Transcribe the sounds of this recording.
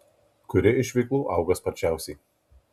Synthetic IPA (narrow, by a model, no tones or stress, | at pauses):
kʊɾʲɪɪʃʲʋʲɛɪklˠuːʔɐˑʊɡɐspɐɾʲt͡ʃʲæˑʊsʲɛɪ